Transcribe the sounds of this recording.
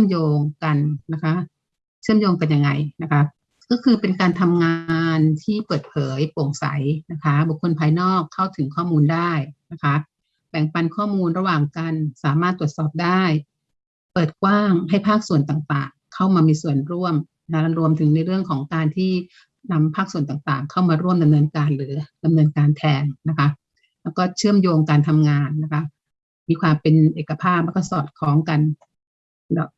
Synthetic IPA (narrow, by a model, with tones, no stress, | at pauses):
ɯ˥˩əmjoː˧ŋka˧nna˦˥kʰa˦˥ʔ | t͡ɕʰɯ˥˩əmjoː˧ŋka˧nja˧ŋːa˧jna˦˥kʰa˦˥ | kɔː˥˩kʰɯː˧pe˧nkaː˧nt̪ʰa˧mŋaː˧nt̪ʰiː˥˩pɤː˨˩t̪̚pʰɤː˩˦jpo˨˩ŋsa̰˩˦jna˦˥kʰa˦˥bu˨˩kʰːo˧npʰaː˧jnɔː˥˩kʰːa˥˩wt̪ʰɯ˨˩˦ŋkʰɔː˥˩muː˧ndaː˥˩jna˦˥kʰa˦˥ | bɛː˨˩ŋpa˧nkʰɔː˥˩muː˧nɾa˧waː˨˩ŋka˧nsaː˩˦maː˥˩t̪ːu˨˩ət̪̚sɔː˨˩p̚daː˥˩j | pɤː˨˩t̪̚kwaː˥˩ŋɦa˥˩jpʰaː˥˩k̚su˨˩ənt̪aː˨˩ŋt̪aː˨˩ŋkʰa˥˩wmaː˧miː˧su˨˩ənɾu˥˩əm | na˧˥ɾu˧əmt̪ʰɯ˩˦ŋna˧jɾɯ˥˩əŋkʰɔː˩˦ŋkaː˧nt̪ʰiː˥˩ | na˧mpʰaː˥˩k̚su˨˩ənt̪aː˨˩ŋt̪a̰ː˨˩ŋkʰa˥˩wmaː˧ɾu˥˩əmda˧mnɤː˧nkaː˧nɾɯː˩˦da˧mnɤː˧nkaː˧nt̪ʰɛː˧ŋna˦˥kʰa˦˥ʔ | lɛː˦˥wkɔː˥˩t͡ɕʰɯ˥˩əmjoː˧ŋkaː˧nt̪ʰa˧mŋaː˧nːa˦˥kʰa˦˥ʔ | miː˧kʰwaː˧mpe˧nʔeː˨˩ka˧pʰaː˥˩p̚lɛː˦˥kːɔː˥˩sɔː˨˩t̪̚kʰɔː˨˦˥ŋka˧n | lɛː˦˥w